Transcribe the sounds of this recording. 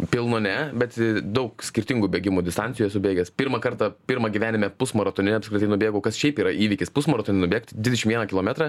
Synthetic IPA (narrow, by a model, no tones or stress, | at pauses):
pʲɪlˠnoːnʲɛbʲɛt̪d̪ɐʊksʲkʲɪɾʲt̪ʲɪŋɡuːbʲeːɡʲɪmuːd̪ʲɪst̪ɐnʲɪjujɛsʊbʲeːɡʲɛspʲɪɾmɐkɐɾt̪ɑpʲɪɾmɐɡʲiʋʲæːnʲɪmʲɛpʊsmɐɾɐt̪oːnʲɪnʲɛɐpskʲɾɪt̪ɐɪnʊbʲeːɡoːkɐsʃʲɛɪpiːɾɐʔiːʋʲikʲɪspʊsmoɾot̪oːnʲɛnʊbʲeːkt̪d̪ʲʋʲɪdʲɛʃɪmʋʲiɛnɐkʲɪlˠoːmʲɛt̪ɾɑ